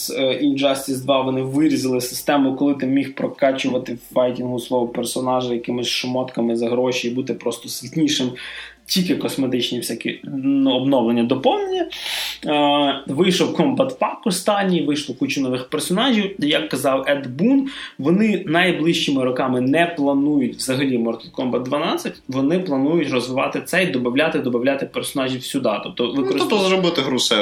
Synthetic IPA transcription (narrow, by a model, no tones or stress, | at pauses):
sind͡ʒɑst̪ʲizd̪ʋɑʋɔnɪʋɪɾʲizɪlˠɪsɪ̥st̪ɛmʊkɔlˠɪt̪ɪmʲixpɾɔkɑt͡ʃʊʋɐt̪ɪbajtʲinɦʊslˠɔʋʊpɛrsɔnɑʒɪjɐkɪmɪsʲʃɔmɔt̪kɐmɪzɐɦɾɔʃʲiibut̪ɪpɾɔst̪ɔsʲʋʲitʲnʲiʃɪm | tʲikɛkɔsmet̪ɪt͡ʃnʲifsʲakʲḭnuɔbnɔwlˠenʲːɐd̪ɔpɔwnenʲːɐ | ʋɪjʃɔwkɔmbɐt̪fɑkɔst̪ɑnʲːiʋɪjʃlˠɔkut͡ʃɪnɔʋɪxpersɔnɑʒʲiwjɐkːɐzɑwɛd̪bunʋɔnɪnɐjblˠɪʃt͡ʃɪmɪɾɔkɑmɪnɛplˠɐnujʊtʲʋzɐɦɐlʲimɔrt̪ɪt̪kɔmbɐt̪̚d̪ʋɐnɑt͡sʲːɐtʲʋɔnɪplˠɐnujʊtʲrɔzʋɪʋɑ̰t̪ɪt̪sɛid̪ɔbɐwlʲat̪ɪd̪ɔbɐwlʲat̪ɪpɛrsɔnɑʒʲiwsʲʊd̪ɑt̪ɔp̚t̪ɔʋɪɔɔɔzɾɔbɪt̪ɪɦɾʊsɛ